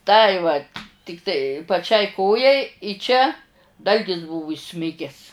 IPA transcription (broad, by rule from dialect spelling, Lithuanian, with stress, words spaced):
ˈtɐɪ ʋɐtʲ ˈtʲɪktɐɪ pɐˈt͡ʃʲɛɪ ˈkoːjɛɪ ɪ ˈt͡ʃʲɛ ˈdɐlʲɡʲɪs ˈbuːʋʊ iːˈsʲmʲɪɡʲɛs